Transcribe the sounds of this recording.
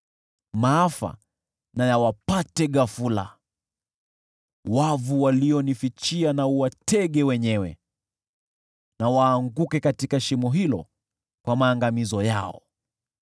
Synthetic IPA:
maafa̰ | najawapatɛɠafula̰ | wavuwaliɔnifit͡ʃianauwatɛɠɛwɛɲɛwɛ̰ | nawaːŋɡukɛkatikaʃimɔɦilɔ̰ | kwamaːŋɡamizɔja̰ɔ̰

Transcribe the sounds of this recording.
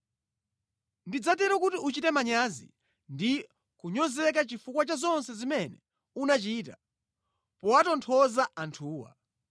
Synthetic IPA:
ndid͡zatɛɾɔkutiut͡ʃitɛmaɲazḭ | ndi | kuɲɔzɛk̬at͡ʃifukwat͡ʃazɔnsɛzimɛnɛ | unat͡ʃiːta | pɔwatɔntʰɔzaʔantʰuːwa̰

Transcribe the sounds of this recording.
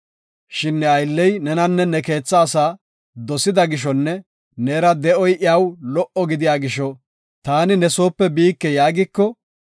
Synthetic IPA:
ʃɪnːɛɐjlːɛjnɛnɐnːɛnɛke̞ːt͡sːaːsaː | d̪ɔsɪd̪ɐɡɪʃ̬ɔnːɛ | nɛːɾɐd̪ɛʔɔjʔɪawlɔʔɔɡɪd̪ɪjaːɡɪʃɔ | t̪aːnɪnɛso̞ːpːɛbiːkːɛjaːɡɪkːɔ

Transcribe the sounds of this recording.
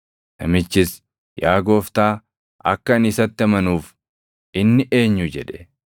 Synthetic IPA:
tɐ̰mɪt͡ʃːɪs | jaːɡo̞ːft̪aː | ʔɐ̰kːɐnɪsɐt̪ːɪɐmɐnuːf | ʔɪnːɪʔe̞ːɲːʊd͡ʒɛᶑɛ̥

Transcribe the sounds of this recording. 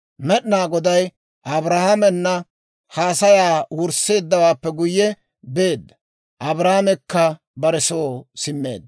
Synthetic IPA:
mɛɗɪnaːɡɔd̪ɐj | ʔɐbɾahamɛnːɐ | haːsɐjaːwʊɾse̞ːd̪ːɐwaːpːɛɡʊjːɛ | be̞ːd̪ːɐ | ʔɐbɾaːamɛkːɐ | bɐɾɛsoːsɪmːe̞̰ːd̪ːɐ

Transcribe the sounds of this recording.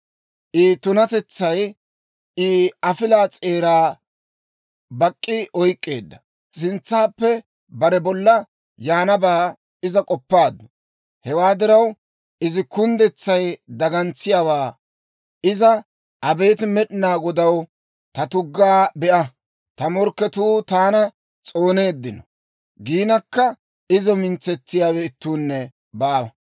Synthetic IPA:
ʔɪt̪ʊnɐt̪ɛt͡sːɐj | ɪɐfɪlaːt͡sʼe̞ːɾaː | bɐkʼːɪɔjkʼːeːd̪ːɐ | sɪnt͡sːaːpːɛ | bɐɾɛbɔlːɐ | jaːnɐbaː | ɪzɐkʼɔpːaːd̪ʊ | hɛwaːd̪ɪɾɐw | ʔɪzɪkʊnd̪ɛt͡sːɐjd̪ɐɡɐnt͡sːɪjaːwaː | ɪzɐ | ʔɐbe̞ːt̪ɪmɛɗɪnaːɡɔd̪ɐw | t̪ɐt̪ʊɡːaːbɛʔɐ | t̪ɐmɔɾkːɛt̪uːt̪aːnɐ | t͡sʼo̞ːne̞ːd̪ːɪnɔ | ɡiːnɐkːɐ | ɪzɔmɪnt͡sːɛt͡sːɪjaːwɛɪt̪ːuːnːɛ | baːwɐ

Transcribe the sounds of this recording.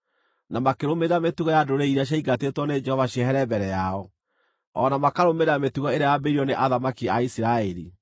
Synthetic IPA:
namakeɾomeɣametuɣɔjadoɾeiɾaɕ̬aiɡatetwɔned͡ʒɛhɔvaɕiɛɦɛɾɛbɛɾɛjaɔ | ɔ̰namakaɾomeɾametuɣɔeɾajabeɾiɔneʔaðamakiaisiɾaeɾḭ

